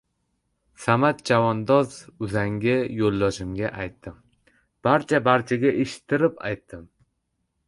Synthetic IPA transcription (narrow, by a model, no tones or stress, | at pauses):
samat̪̚d͡ʒavɒnd̪ɒzʊzaŋɡʲɪjolˠːɒʃɪmɡʲaʔajt̪ːɪm | b̥aɾt͡ʃʰabaɾt͡ʃʰaɡʲaʔeʃɪ̥t̪ʰːɪɾɪpa̰jt̪ːɪm